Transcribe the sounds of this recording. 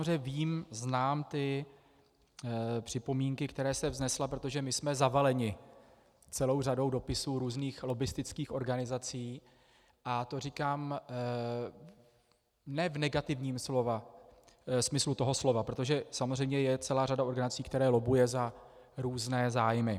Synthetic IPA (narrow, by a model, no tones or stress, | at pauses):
rɛviːmznaːmt̪ɪ | pr̥ɪpo̞miːŋkɪkt̪ɛɾɛːsɛvznɛslapɾo̞t̪o̞ʒɛmɪsmɛzavalɛɲɪ | t͡sɛlo̞wrado̞wdo̞pɪsuːɾuːzniːxlo̞bɪst̪ɪt͡skiːxʔo̞ɾɡanɪzat͡siː | ʔat̪o̞rikaːm | nɛvnɛɡat̪ɪvɲiːmslova | smɪslut̪o̞ɦo̞slo̞vapɾo̞t̪o̞ʒɛsamozr̝ɛjmɲɛjɛt͡sɛlaːradaʔo̞ɾɡanat͡siːkt̪ɛɾɛːlo̞bujɛzaɾuːznɛːzaːjmɪ